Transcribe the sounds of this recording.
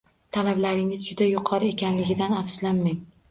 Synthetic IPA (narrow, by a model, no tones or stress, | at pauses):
t̪ʰalablaɾɪŋɪzd͡ʒʊd̪ajʊqʰɒɾɪe̞kʲʰanlɪɡʲɪd̪anafslanmaŋ